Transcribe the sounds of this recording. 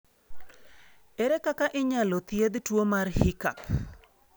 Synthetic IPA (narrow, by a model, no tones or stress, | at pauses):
ɛɾekakaʔɪɲalot̪jed̪twomarhɪkap